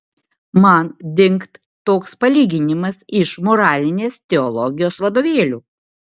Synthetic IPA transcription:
mɐnd̪ʲɪŋkt̪ːoːkspɐlʲiːɡʲɪnʲɪmɐsɪʃmoɾɑːlʲɪnʲeːst̪ʲɛɔlˠɔɡʲɪjoːsʋɐd̪oːʋʲeːlʲuː

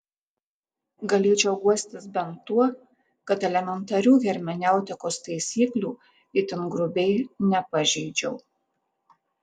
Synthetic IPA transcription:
ɡɐlʲeːt͡ʃʲɛʊɡuɔsʲt̪ʲɪsbʲɛnt̪ːuɔ | kɐt̪ɛlʲɛmʲɛnt̪ɐɾʲuːɣʲɛɾʲmʲɛnʲæˑʊt̪ʲɪkoːst̪ɐɪsʲiːklʲuː | ɪt̪ʲɪnɡɾʊbʲɛɪnʲɛpɐʒʲɛɪd͡ʒʲɛʊ

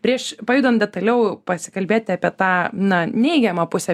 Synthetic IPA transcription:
pʲɾʲiɛʃpɐjuːd̪ɐnd̪ʲɛt̪ɐlʲɛʊpɐsʲɪ̥kɐlʲbʲeːt̪ʲɪɐpʲiɛt̪ɑːnɐnʲɛɪɡʲɛmɐpʊsʲɛ

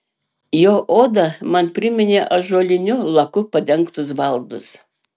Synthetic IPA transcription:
joːʔoːd̪ɐmɐnpʲɾʲɪmʲɪnʲeːʔɐʒoːlʲɪnʲʊlˠɐkʊpɐd̪ʲɛŋkt̪ʊsʋɐlˠd̪ʊs

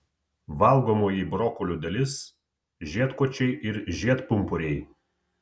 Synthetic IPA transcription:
ʋɐˑlˠɡoːmoːjibɾɔkɔlʲuːd̪ɐlʲɪs | ʒʲiɛt̪kɔt͡ʃʲɛɪʔɪɾʒʲiɛt̪pʊmpʊɾʲɛɪ

